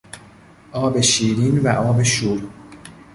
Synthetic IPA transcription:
ʔɒːbe̞ʃiːɾiːnvæʔɒːbe̞ʃuːɾ

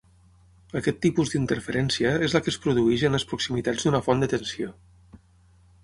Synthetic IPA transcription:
əkɛt̪ːipuzd̪int̪əɾfəɾɛnsiəezləkəspɾuðuɛʒənləspɾuksimit̪ad͡zd̪unəfɔnd̪ət̪ənsio

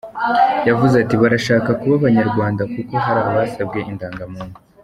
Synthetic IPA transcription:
javuzatiβaɾaʃaːkakuβaβaɲaɾɡwaːndakuko̞ɦaɾaːaβasab̚ɡe̞ʔindaːŋɡamuːnu̥

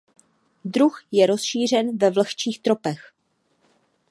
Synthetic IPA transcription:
dɾuxjɛɾo̞sʃiːr̝ɛnvɛvləxt͡ʃiːxt̪ɾo̞pɛx

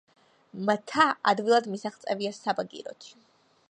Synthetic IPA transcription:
mt̪ʰaa̰d̪vilˠad̪misaχt̪sʼɛviasabaɡḭɾɔ̰t̪ʰi̥

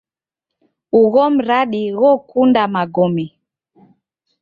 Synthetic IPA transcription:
uɣɔm̩ɾaɗiɣɔkundamaɡɔmi

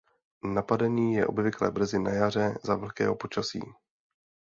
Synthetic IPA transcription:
napadɛniːjɛʔo̞bvɪklɛ̰br̩zɪnajar̝ɛzavɛlkɛ̰ːɦo̞po̞t͡ʃasḭː

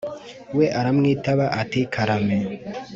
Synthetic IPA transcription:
wɛʔaɾamŋetaβaʔatekʰaɾamɛ

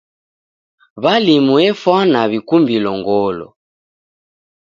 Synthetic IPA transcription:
βalimuɛfwanaβikumbilɔŋɡɔlɔ̰

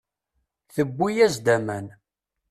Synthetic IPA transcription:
θəbːijæzd̪æmæn

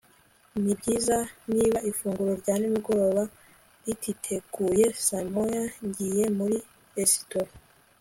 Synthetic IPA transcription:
mibɟiːzaniβaifuːŋɡuɾoɾɟanimiɡo̞ɾo̞ːβa | ɾitʰitʰe̞ɡ̥uje̞samojaɲɟijemuɾi | ɾesi̥toɾ

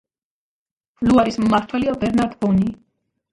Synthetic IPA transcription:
b̥luaɾismːaɾt̪ʰwɛliabɛɾnaɾd̪bɔni

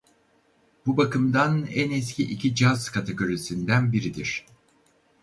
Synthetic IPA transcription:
b̥ubakɯmd̪anɛnɛsciʔicʰid͡ʒazkʰat̪ʰeɡo̞ɾisind̪ænbiɾid̪iɾ̥

